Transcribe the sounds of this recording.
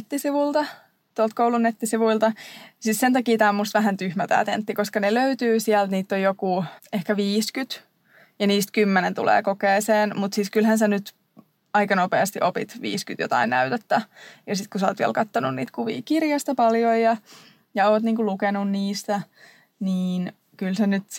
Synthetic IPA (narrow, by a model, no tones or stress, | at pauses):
t̪ːisiʋult̪ɑ | t̪uolt̪̚koulunnet̪ːisiʋuilt̪ɑsissent̪ɑkiːt̪æːmːust̪ʋæhænt̪yhmæt̪æ̰ːt̪ḛnt̪ːikoskɑneløyt̪yːsiælt̪niːt̪ːojjokuehkæʋiːskyt̪ | jɑniːst̪kymːenent̪ṵlḛːkokeːseːnmut̪sit̪kylhænsenyt̪ | ɑikɑnopeˑɑst̪iʔopit̪ʋḭːskyt̪jo̰t̪ɑ̰innæyt̪et̪ːæjɑsit̪kuso̰ːt̪ʋḭæ̰lkɑt̪ːonṵnnḭːt̪kuʋḭːkirjɑst̪ɑpɑljojjɑ | jɑoːt̪niːŋkulukenunniːst̪æ | niːn | kylsenyt̪